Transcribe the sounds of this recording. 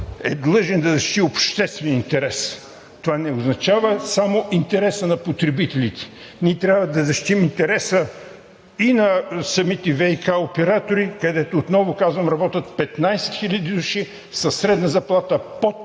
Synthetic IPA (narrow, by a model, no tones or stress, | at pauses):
ɛ̰d̪lˠɤʒɛnd̪ɐzɐʃt̪iopʃt̪ɛst̪vɛnint̪ɛɾɛs | t̪ovanɛʊznɐt͡ʃavəsamoʔint̪ɛɾɛsənɐpot̪ɾɛbit̪ɛlʲit̪ɛ̥ | nit̪ɾʲjavɐd̪ɐzɐʃt̪imint̪ɛɾɛsə | inɐsɐmit̪ɛvɛikaopɛɾat̪oɾikɐd̪ɛt̪oːt̪nɔvʊkazvɐmɾɐbɔt̪ət̪̚pɛt̪najsɛ̥t̪xilʲɐd̪id̪uʃi | sɐsɾɛd̪nəzɐplˠat̪əpot̪